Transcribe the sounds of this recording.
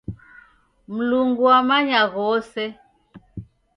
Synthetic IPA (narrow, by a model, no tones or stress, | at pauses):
m̩luŋɡuamaɲaɣɔsɛ